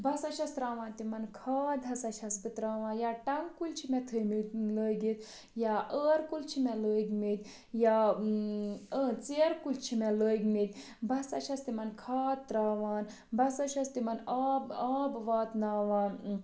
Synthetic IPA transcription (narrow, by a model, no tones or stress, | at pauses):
bʱɐsat͡ʃʰʲɐst̪ɾaːʋãːnt̪imɐnkʰaːd̪̚ʱɐsɐʃʰɐsbit̪ɾaːʋãːjaːʈɐŋkult͡ʃʰimʲɛt̪ʰəmit̪ləːɡit̪ | jaːʔəːɾkult͡ʃʰimɛləːɡmit̪ʲ | ja | ət͡seɾkult͡ʃʰimɛləːɡmit̪ʲ | bʱɐsa̰ʃʰʲɐst̪imɐnkʰaːt̪ːɾaːʋaːn | bɐsaʃʰʲɐst̪imɐnaːbaːbʋaːt̪naːʋaːn